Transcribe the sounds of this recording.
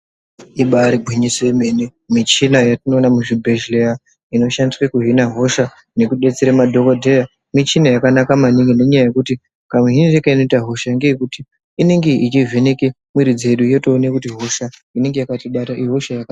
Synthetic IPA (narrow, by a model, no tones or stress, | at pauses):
iɓaɾibʱwiɲiseme̞nemit͡ʃinajatino̞ːnamuʐibʱe̞ʒlea | ino̞ʃandisrwekuɦinaɦo̞ʃa | ne̞kuɗe̞t͡seɾemadʱo̞kodʱeja | mit͡ʃinajakanakamaniŋɡene̞ɲajaje̞kuti | kameɦinirekaino̞itaɦo̞ʃaŋɡe̞ekutiː | ne̞ŋɡe̞it͡ʃivʱeneke | mwiɾid͡ze̞ɗujo̞to̞ːnekutiɦo̞ʃaine̞ŋɡe̞jakatiɓataʔiɦoʃajaka